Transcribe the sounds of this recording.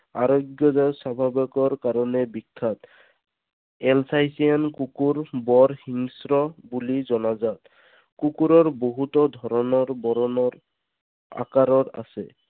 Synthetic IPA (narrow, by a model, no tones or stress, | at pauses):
a̰ɾoɡjɔzasabʱabɔkɔɹkaɾɔnɛbikʰːat̪ | ɛlsajsiankukuɹbɔɾhiŋsɹɔbulizɔnazat̪ | kukuɾɔɹboɦut̪ɔd̪ʱɔɾɔnɔɹbɔɾɔnɔɾ | a̰kaɾɔɾa̰sɛ̰